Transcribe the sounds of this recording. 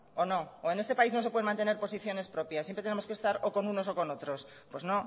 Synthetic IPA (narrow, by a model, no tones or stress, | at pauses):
ono̞oe̞ne̞st̪e̞paizno̞s̬epweemãnt̪e̞neɾpo̞siθjo̞ne̞spɾo̞pjasjempɾet̪enemoskest̪aɾoko̞nuno̞so̞ko̞no̞t̪ɾo̞s | pwe̞zno̞